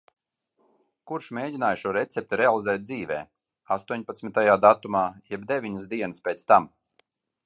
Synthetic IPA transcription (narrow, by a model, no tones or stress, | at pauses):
kuɾʃmʲeːɟʲinaːjʃuɔɾɛt̪sɛp̚t̪ɛɾealˠizɛːt̪̚d̪ziːvɛ̰ː | ast̪uɔɲpat̪smʲit̪ajaːd̪at̪umaːjɛbd̪evʲiɲəsd̪iɛnɨspʲɛt̪st̪am